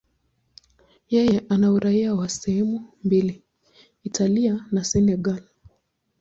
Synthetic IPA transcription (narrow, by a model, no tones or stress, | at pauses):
jɛjɛʔanauɾaiawasɛhɛmumbili | itʰalianasɛnɛɡal